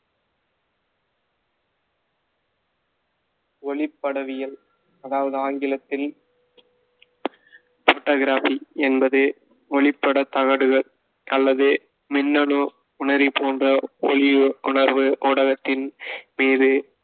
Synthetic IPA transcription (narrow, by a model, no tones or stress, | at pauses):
ɔɭɪpːɐɽɐʋɪjɐl | ɐðaːʋɐðɯaːŋɡɪlɐt̪ːɪl | foːʈːoːɣɪɾaːfiɛnbɐðɯ | ɔɭɪpːɐɽɐt̪ɐɣɐɽɯɣɐɭ | ɐlːɐðɯ | mɪnːɐɳɯ | ʊɳɐɾɪpoːndrɐɔɭɪjʊɳɐɾʋɯʔoːɽɐɣɐt̪ːɪnmiːɾɯ